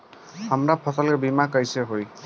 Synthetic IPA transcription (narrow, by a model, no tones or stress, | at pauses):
hʌmɾapʰɔsɔlebimakajseɦoj